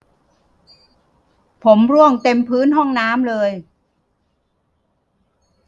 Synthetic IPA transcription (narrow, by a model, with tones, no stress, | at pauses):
pʰo˩˦mɾu˥˩əŋt̪e˧mpʰɯː˦˥nɦɔ˥˩ŋnaː˦˥mlɤː˧j